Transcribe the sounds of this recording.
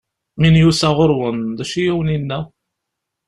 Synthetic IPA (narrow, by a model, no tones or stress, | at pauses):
minjusæʁʊɾwənðæʃijiwninːæ